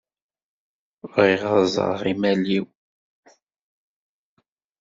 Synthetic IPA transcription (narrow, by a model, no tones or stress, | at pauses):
vʁiʁɑzˤə̰ɾˤʁimæliw